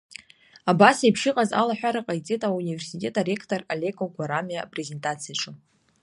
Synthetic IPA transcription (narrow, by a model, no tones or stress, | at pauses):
abasajpʰʃɨqʼaza̰laħʷᶣaɾaqʼajt͡sʼitʼauniversitʲʼe̞tʼare̞kʰtʼoralʲe̞kʼoɡʷaɾamiapʼre̞ze̞ntʼat͡sʰijaʈ͡ʂʼɨ